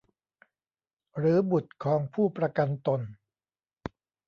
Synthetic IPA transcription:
ɾɯː˩˦bu˨˩t̪̚kʰɔː˨˦ŋpʰuː˥˩pɾa˧ka˧nt̪o˧n

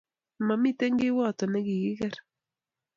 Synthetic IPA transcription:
ma˨mi˦te˦ŋɡɪ˦wɔ˦˨tɔ˨nɛ˦ɡi˨ɡɪ˦kɛ˦ɾ

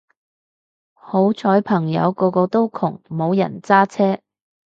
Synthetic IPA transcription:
ho˨˥wt͡sʰɔː˨˥jpʰɐ˨˩ŋjɐ̰˨˧wkɔː˧kɔː˧t̪o˥wkʰʊ˨˩ŋmo˨˧wjɐ̰˨˩nt͡saː˥t͡sʰɛː˥

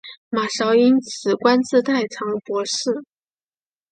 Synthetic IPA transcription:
ma˨˩ʂɑ˧˥ʊi˥nt͡sʰɹ̩˨˩kwa˥nt͡sɹ̩˥˧t̪a˥˩ɪʈ͡ʂʰɑ˧˥ŋpwɔ˧˥ʂɻ̩˥˩

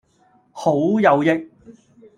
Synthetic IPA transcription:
ho˨˥wjɐ˨˧wjɪ˧k̚

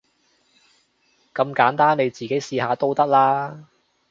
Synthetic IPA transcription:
kɐ˧mkaː˨˥nt̪aː˥nne˨˧jt͡siː˨ke˨˥jsiː˧haː˨˧t̪o˥wt̪ɐ˥k̚laː˥

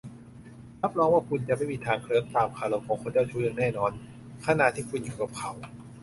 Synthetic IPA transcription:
ɾa˦˥p̚ɾɔː˧ŋwaː˥˩kʰu˧nt͡ɕa˨ʔma˥˩jmiː˧t̪ʰaː˧˩ŋkʰlɯ˧˦əŋt̪aː˨˩mkʰaː˧˩lo˧˩m̚kʰɔː˨˦kʰo˧nt͡ɕa˥˩t͡ɕʰuː˧˩nɯ˧˥˩ŋnɛː˥˩nɔː˧n | kʰa˧˨na˨˧˨t̪ʰːiː˥˩kʰu˧njuː˨˩ka˨˩p̚kʰa˨˦w

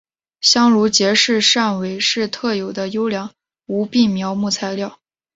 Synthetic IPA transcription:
ɕjɑ˥ŋɻu˧˥t͡ɕjɛ˧˥ʂɻ̩˥˧ʂa˥˩nwe˧˥ɪʂɻ̩˥˧t̪ʰɤ˥˩jo˨˩ʊd̪ə˦jo˥ʊljɑ˧˥ŋ | u˧˥pi˥˩mjɑ˧˥ʊmu˥˩t͡sʰa˧˥ɪljɑ˥˩ʊ

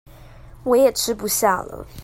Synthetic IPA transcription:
wɔ˨˦jɛ˨˩ʈ͡ʂʰɻ̩˥pu˧˥ɕja˥˩lə̰˨˩

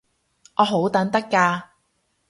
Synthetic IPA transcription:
ʔɔː˨˧ɦo˨˥wt̪ɐ˨˥nt̪ɐ˥kːaː˧

